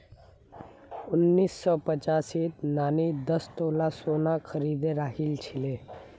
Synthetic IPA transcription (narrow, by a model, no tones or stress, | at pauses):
ʊnːiːsːɔpət͡ʃaːsiːt̪naːnid̪əst̪oːlasoːnakʰəɾid̪eɾaːɦilt͡ʃʰile